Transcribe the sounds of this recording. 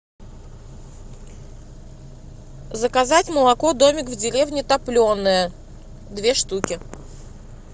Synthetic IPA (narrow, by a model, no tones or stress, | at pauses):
zəkɐzatʲməlˠɐkod̪omʲɪkvdʲɪɾʲe̞vnʲɪt̪ɐplʲo̞nːɨjə | d̪vʲe̞ʂt̪ukʲɪ